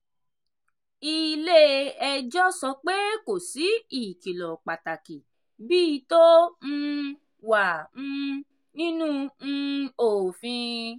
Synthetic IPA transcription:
i˧le˦ɛ˧d͡ʒɔ˦sɔ˧k͡pe˦ko˨si˨˦i˦˨ki˨lɔ˨k͡pa˨ta˨ki˨ | biː˦˧to˦ñ̩˧ | wã˨˦˧ | nĩ˦nũ˦n̩˦˧o˨fĩ˧

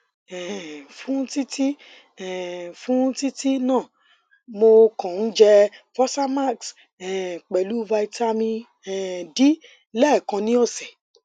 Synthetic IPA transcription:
ɛ˨fũ˦ti˦ti˦ | ɛ˨fũ˦ti˦ti˦nãː˦˨ | mo˧kã˨n̩˦d͡ʒɛ˧fɔ˦sa˦ma˦˨ks | ɛ˨k͡pɛ˨lu˨˦va˧i˧ta˦mĩ˧ | ɛ˨di˨˦ | lɛ˦˨kã˧nĩ˦ɔ˦˨sɛ˨

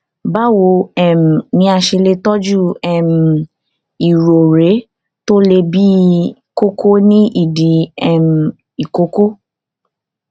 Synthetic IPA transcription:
ba˦wo˧˦ɛ˦˨m̩˨nĩ˨˧˦a˧ʃe˧le˧tɔ˦d͡ʒu˦˨ɛ˦˨m̩˨ | i˨ɾo˨ɾe˨˦ | to˦le˧bi˦ko˦ko˦nĩ˦i˦˨di˨˦ɛ˦˨m˨ | i˨ko˨˦ko˦

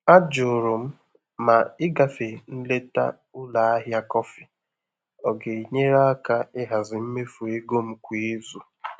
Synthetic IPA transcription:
a˦d͡ʒʊ˨ɾʊ˨m̩˦ | ma˨ɪ˦ɡa˨fe˨n̩˦le˦ta̰˦ | ʊ˦la˨a˦ɦɪ˦a˦kɔ˦fɪ˨ | ɔ˨ɡe˨i˨ɲe˦ɾa˦a˦ka˦ɪ˦ɦa˨zɪ˨m̩˦me˦fu˨e˦ɡo˦m̩˦kʷi˨˦e˦zu˨

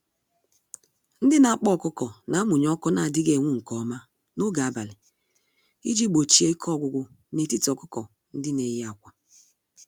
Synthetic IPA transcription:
n̩˦dɪ˦na˨a˦k͡pɔ˦˨kʊ˦kɔ˨na˨˦mʊ˨ɲ˦ɔ˦kɔ˦na˨dɪ˦ɡe˨ŋʷu˦ŋ̩˨kɔ˨˦ma˦ | no˦ɡa˨a˨ba˨lɪ˨ | i˦d͡ʒi˦ɡ͡bo˨t͡ʃi˨e˦i˦kʰɔ˦˨ɡʷʊ˨ɡʷʊ˦ | ne˨ti˦ti˨ɔ˨kʊ˦kɔ˨ | n̩˦dɪ˦ne˨˦ja˨kʷa˨

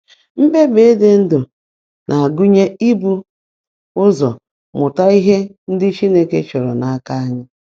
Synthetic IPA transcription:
m̩˦be˦be˨e˦de˦n̩˦dʊ˨ | nʔa˨a˨ɡu˦ɲe˦i˦bu˦ | ʊ˦zɔ˨ | mʊ˨ta˦i˦ɦe˦n̩˦dɪ˦t͡ʃi˦ne˦ke˦t͡ʃɔ˨ɾɔ̰˨na˨a˦ka˦a˦ɲɪ˦

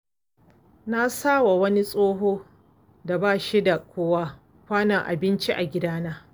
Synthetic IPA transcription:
na˦saː˦wa˨wɐ˦ni˦sʼoː˦ɦoː˦ | da˨baː˦ʃi˦da˨kʷoː˦wa˦ | kʷaː˦nɐ˨ŋʔa̰˨bɪ˦nt͡ʃi˦ʔa˨ɡʲɪ˦daː˦naː˦

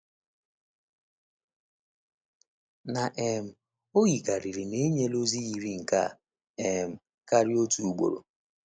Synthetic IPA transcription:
na˨ʔe˨m̩˨ | o˦ɣi˨ka˨ɾi˨ɾi˨me˦ɲe˦lo˦zi˦ɣi˨ɾi˦ŋ̩˨ka̰˦˨ | e˨m̩˨ | ka˦ɾi˦o˦tu˨u˨ɡ͡bo̰˨ɾo̰˨

